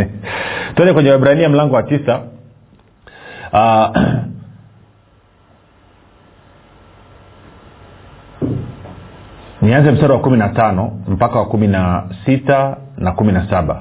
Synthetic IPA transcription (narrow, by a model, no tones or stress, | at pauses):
twɛnɛkwɛɲɛwɛɓɾainiam̩laŋɡɔwatisa | nianzɛm̩saɾawakuminatanɔm̩pakawakuminasitanakuminasaɓa̰